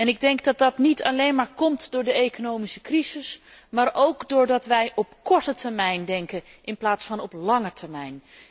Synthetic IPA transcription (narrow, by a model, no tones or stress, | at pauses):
ɛnɪɡ̚dɛŋkdɑt̚dɑtnitʰɑlejnmaːɹkɔmtdʊːɹdəejkonowmisəkrizɪsmaːɹowkdʊːɹdɑtʋɛjʔɔpkɔɹtətəɹmɛjndɛŋkəʔɪnplaːtsfɑnɔplɑŋəɹtʰəɹmɛjn